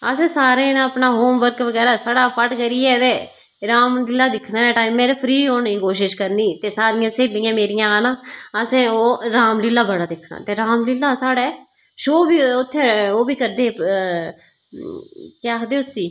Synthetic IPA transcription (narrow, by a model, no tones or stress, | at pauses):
əsẽːsaːɾẽːnãəpnaːɦoːmʋəɾkʋəɡɛːɾaːsʰəɽaːpʰəʈkəɾiːɛːt̪eː | ɾaːmlɪlːaːd̪ɪkʰnaːɛːʈaːimːeːɾeːpʰɾiːoːniːkoːʃ̬ɪʃkəɾniːt̪eːsaːɾɪjãːseːlɪ̃ːãːmeːɾɪjãːnãːəsẽːoːɾaːmlɪlːaːbəɽaːd̪ɪkʰːna̰ːt̪eːɾaːmlɪlːaːsaːɽeː | ʃoːbiːʊt̪ʰːeːoːbiːkəɾd̪eː | kaːkʰd̪eːʊsiː